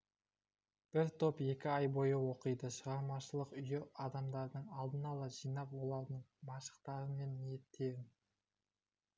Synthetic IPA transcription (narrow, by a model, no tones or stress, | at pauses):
b̥ɪɾt̪ʰo̞pe̞kʲɪɑjbo̞jəwo̞qəjd̪əʃəʁɑɾmɑʃəlˠəqʏjɪɑd̪ɑmd̪ɑɾd̪əɴɑlˠd̪ənɑlˠɑʒijnɑpwo̞lˠɑɾd̪əɴmɑʃə̥qt̪ɑɾəme̞nmijet̪ːe̞ɾɪn